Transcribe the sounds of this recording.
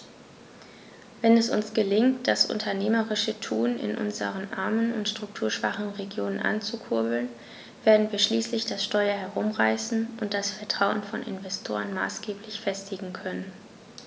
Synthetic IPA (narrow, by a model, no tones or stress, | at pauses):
vɛnɛsʊ̰nsɡ̥əlɪŋtd̥asʔʊ̰ntʰɐneːməʁɪʃətʰuːnɪ̰nʔʊ̰nzə̰ʁənʔa̰ɐmənʊ̰ntʃtʁ̥ʊk̚tʰuːɐʃv̥a̰χn̩ʁeɡjoːnənʔa̰nt͡sukʰʊɐbl̩n | v̥eːɐdn̩viːɐʃliːslɪçd̥asʃtɔʏɐɦɛʁʊmʁaɪsn̩ʔʊnt̚d̥asfɛɐtʁ̥aʊənfɔnɪ̰nvɛstʰo̰ːʁənma̰ːsɡ̥eːpʰlɪçfɛstɪɡŋ̩kʰœnən